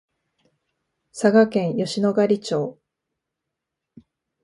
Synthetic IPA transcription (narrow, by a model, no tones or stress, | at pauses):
saɡakẽ̞ɰ̃jo̞ɕino̞ɡaɾʲit͡ɕo̞ː